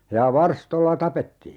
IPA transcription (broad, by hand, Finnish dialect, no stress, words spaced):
jɑ ʋɑrstolːɑ tɑpetːiː